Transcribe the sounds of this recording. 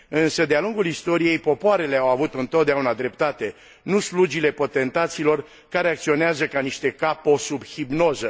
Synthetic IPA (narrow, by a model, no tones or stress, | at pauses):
ɨnsəd̪ealuŋɡulist̪o̞ɾije̞jpo̞poaɾe̞le̞awavut̪ɨnt̪ot̪̚d̪eaunad̪ɾe̞p̚t̪at̪e̞ | nuslud͡ʒile̞po̞t̪e̞nt̪at̪siːlo̞r | kaɾe̞ak̚t̪sio̞neazəkaniʃt̪e̞kapo̞subhibno̞zə